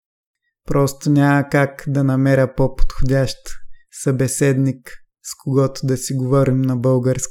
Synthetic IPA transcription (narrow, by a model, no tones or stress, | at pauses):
pɾɔst̪onʲamɐkakd̪ɐnɐmɛɾʲəpopot̪xʊdʲaʃt̪sɐbɛsɛd̪nik | skoɡɔt̪ʊd̪ɐsiɡovɔɾimnɐbɤlˠɡəɾsk